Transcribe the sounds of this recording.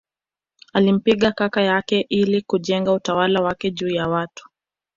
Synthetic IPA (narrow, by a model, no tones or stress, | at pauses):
alim̩piɠakakajakɛʔilikuʄɛŋɡautawalawakɛʄuːjawatu̥